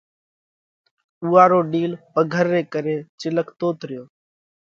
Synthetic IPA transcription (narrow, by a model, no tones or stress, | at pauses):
uːaːɾoːɗiːlpəɡʱəɾːeːkəɾeːt͡ʃɪləkʰt̪oːt̪ɾɪjoː